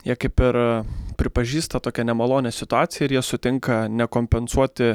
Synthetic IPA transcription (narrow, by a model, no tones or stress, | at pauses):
jiɛkɐɪpɪɾpʲɾʲɪpɐʒʲiːst̪ɐt̪oːkʲɛnʲɛmɐlˠoːnʲɛsʲɪt̪ʊɑːt̪sʲɪjɛɪɾjiɛsʊt̪ʲɪŋkɐnʲɛkoːmʲpʲɛnsuɔt̪ʲɪ